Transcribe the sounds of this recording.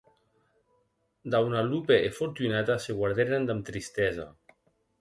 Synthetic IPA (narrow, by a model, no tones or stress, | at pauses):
d̪awnalupeefoɾt̪unat̪aseɣwaɾðeɾand̪amt̪ɾist̪ɛza̰